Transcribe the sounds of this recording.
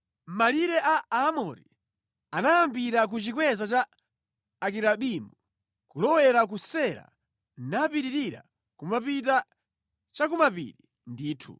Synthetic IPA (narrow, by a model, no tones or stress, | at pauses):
maliɾɛʔaamɔɾḭ | anajambiɾak̬ut͡ʃikwɛzat͡ʃaː | kiɾaɓimu | kulɔwɛɾak̬usɛɾa̰ | napiɾiɾiɾa̰ | kumapita | t͡ʃakumapḭɾi | ndiːtʰṵ